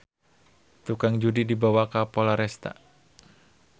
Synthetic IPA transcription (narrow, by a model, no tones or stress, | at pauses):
t̪ukaŋd͡ʒudidibawakapolaɾɛst̪a̰